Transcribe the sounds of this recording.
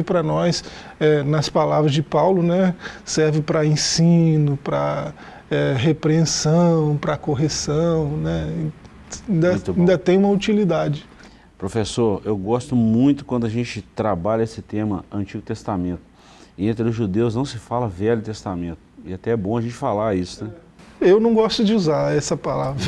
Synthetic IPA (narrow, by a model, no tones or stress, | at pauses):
ɪpɾɐnɔs | ɛnɐspalavɾɐzd͡ʒɪpawlʊnɛsɛɾvɪpɾɐẽsĩnʊpɾɐ | ɛɦepɾeẽsɐ̃w̃pɾɐkoɦesɐ̃w̃nɛĩ | ĩd̪ɐ̃t̪ĩd̪ɐt̪ẽj̃ũmɐut͡ʃilid̪ad͡ʒɪ | pɾofesoɾewɡɔst̪ʊmũj̃t̪ʊkwɐ̃d̪ʊɐʒẽt͡ʃɪt̪ɾabaʎɐesɪt̪ẽmɐɐ̃nt͡ʃiɡʊt̪est̪amẽnt̪ʊ̥ | ẽnt̪ɾɪʊʒud̪ewznɐ̃w̃sɪfalɐvɛʎʊt̪est̪amẽnt̪ʊɪat̪ɛɛbõɐʒẽnt͡ʃɪfalaisʊnɛ | ewnɐ̃w̃ɡɔst̪ʊd͡ʒɪuzaɾɛsɐpalavɾ